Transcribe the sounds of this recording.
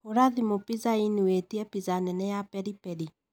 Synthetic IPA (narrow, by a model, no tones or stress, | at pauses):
oɾaðimopizainiwetiɛpizanɛnɛjapɛɾipɛɾi